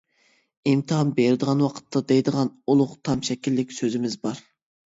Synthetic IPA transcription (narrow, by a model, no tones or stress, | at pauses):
imt̪ʰɨɦɑnbeɾɪd̪əʁɑnwɑqʰə̥t̪ʰːɑd̪ɛjd̪əʁɑnulˠʊqt̪ʰɑmʃɛkʲilːɪkʲsøzɪmɪzbɑɾ